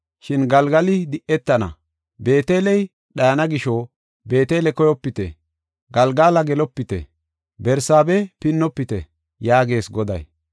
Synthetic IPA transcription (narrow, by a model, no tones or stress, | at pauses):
ʃɪnɡɐlɡɐlɪd̪ɪʔɛt̪ːɐnɐ̰ | be̞ːt̪e̞ːlɛj | ɗɐjɐnɐɡɪʃo | be̞ːt̪e̞ːlɛkɔjɔpːɪt̪ɛ̰ | ɡɐlɡaːlɐɡɛlɔpːɪt̪ɛ̰ | bɛɾsaːbɛpɪnːɔpːɪt̪ɛ̰ | jaːɡe̞ːsɡɔd̪ɐ̰j